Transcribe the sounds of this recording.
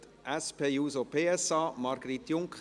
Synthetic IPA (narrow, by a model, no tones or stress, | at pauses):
t | ʔɛspʰeːjuːsopʰeːɛsɑːmɑɾɡ̥əɾit̪ːjʊŋkχ